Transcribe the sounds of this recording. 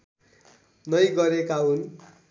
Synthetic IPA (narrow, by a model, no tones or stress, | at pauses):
nʌjɡʌɾekaɦun